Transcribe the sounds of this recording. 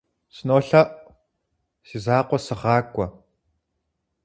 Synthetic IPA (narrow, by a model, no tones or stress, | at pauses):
sɨnoːɬɐʔ | siːzaːqʷɔsɨʁɑːkʷʼɔ